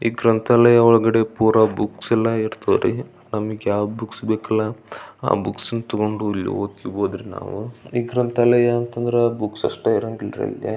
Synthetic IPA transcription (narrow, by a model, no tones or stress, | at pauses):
iːɡɾɐnt̪aːlɐjɐɔɭɡɐɽe̞puːɾɐbuksɛlːɐiɾt̪oːɾḭ | nɐmːɐɡjaːwd̪buksbeːkɐlːɐa̰ːbuksnut̪ɐɡoɳɖuilːḭoːt̪iboːd̪ɾina̰ːʋuiːɡɾɐnt̪aːlɐjɐːnt̪ɐnd̪ɐɾeabuksɐ̰ʂʈɐiɾɐŋɡilɾɐ̰ḭlɡḛ